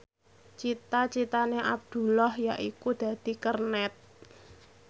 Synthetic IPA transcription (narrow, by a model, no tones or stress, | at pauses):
t͡ʃit̪at͡ʃit̪aneʔab̚d̪̥ṳlɔhjaʔikud̪̥ä̤d̪̥i̤kərnɛt̪̚